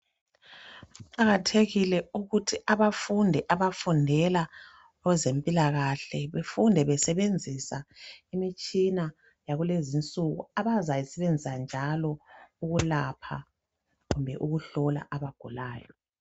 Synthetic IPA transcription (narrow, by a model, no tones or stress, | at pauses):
ǃaɣatʰeɣilɛuɣutʰiaβafundʱɛʔaβafundʱɛla | ɣwɛzempʼilaɣaɬɛβefundʱɛβɛsɛβend͡zʱisaimit͡ʃʼina | jaɣulezint͡sʼuɣṵaβazajisɛβend͡zʱisand͡ʒʱalɔuɣulapʰa̰ | ɣumbʱɛ̰ʔuɣuɬɔla̰ʔaβaɡ̥ʱulaːjɔ